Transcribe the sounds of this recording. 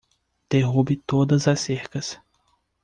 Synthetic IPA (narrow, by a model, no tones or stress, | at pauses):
d̪̥eɦubɪt̪od̪ɐzɐseɾkɐs